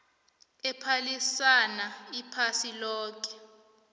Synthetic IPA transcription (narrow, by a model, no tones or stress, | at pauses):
ɛpʰalisanaipʰasilɔːk̬ʼɛ̥